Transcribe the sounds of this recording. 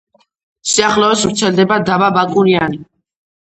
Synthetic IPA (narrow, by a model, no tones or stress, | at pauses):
siaχlɔɛsvɾt̪sʰɛld̪ɛbad̪ababakʼuɾiani